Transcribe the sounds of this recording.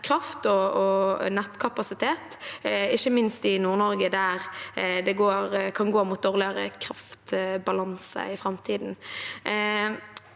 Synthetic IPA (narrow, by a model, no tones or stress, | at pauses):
kʰɾɑft̪ɔɔnɛt̪kʰɑpɑsɪt̪ʰeːt̪ɪçːəmɪnst̪ɪnuːʁnɔɾɡəd̪æɾd̪ɛɡoːɾkʰɑnɡoːmʊt̪̚d̪oːʁlɪəɾə̰kʰɾɑft̪bɑlɑnsə̰ɪfɾɑmt̪ʰiːd̪n̩